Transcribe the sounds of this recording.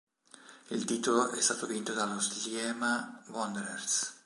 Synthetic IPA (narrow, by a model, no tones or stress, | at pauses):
ilt̪iːt̪oloʔɛst̪aːt̪ovint̪od̪alosljɛmawɔnd̪ɾers